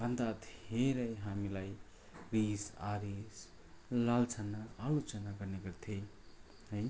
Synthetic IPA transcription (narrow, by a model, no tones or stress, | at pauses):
bʌnd̪at̪heɾəjɦamilaj | ɾisa̰ɾis | lalt͡sʰənaalot͡sənaɡʌɾneɡʌɾt̪ʰe | ɦəj